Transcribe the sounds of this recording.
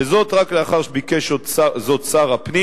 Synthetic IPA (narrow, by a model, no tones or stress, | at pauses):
ezo̞tʁakleaχaʁʃbikeʃott͡sazott͡saʁapni